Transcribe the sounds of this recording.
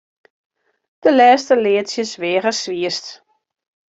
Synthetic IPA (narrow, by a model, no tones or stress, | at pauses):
d̥əlɛːstəlɪːtsjəsʋɪəɣəsʋiəst